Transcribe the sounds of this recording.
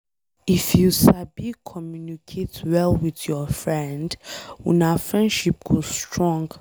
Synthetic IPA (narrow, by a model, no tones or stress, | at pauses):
ifjusabikʰɔmjunikʰetwɛlwiθjɔfɹɛ̃ndwɛ̰̃nafɹɛ̃ndʃip̚ɡ̥ostɹɔ̃ŋɡ